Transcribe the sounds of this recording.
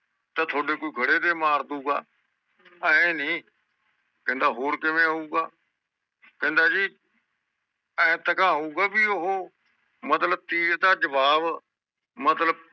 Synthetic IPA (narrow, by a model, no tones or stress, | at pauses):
t̪ət̪ʰoːɖeːkoːiɡʱəɽeːt̪eːmaːɾd̪uːɡa̰ː | əẽːnĩː | kə̃nd̪aːɦoːɾkɪmẽːɦũːɡaː | kə̃ɦnd̪aːd͡ʒiː | ə̃ẽːt̪əkãːɦuːɡaːbiːoɦoː | mət̪ləb̚t̪iːɾd̪aːd͡ʒəʋaːʋ | mət̪ləb̚